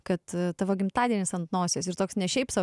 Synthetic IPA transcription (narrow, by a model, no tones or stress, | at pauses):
kɐt̪t̪ɑːʋoːɡʲɪmt̪ɑːd̪ʲiɛnʲɪsɐnt̪noːsʲoːsɪɾt̪oːksnʲɛʃʲɛɪpsɑ